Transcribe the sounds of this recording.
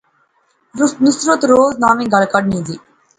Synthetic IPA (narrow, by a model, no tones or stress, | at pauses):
nʊsɾʊt̪ɾoːznaːmĩːɡəlkəɖnĩːziː